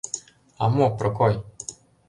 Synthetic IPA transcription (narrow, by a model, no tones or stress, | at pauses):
a̰mopɾokoj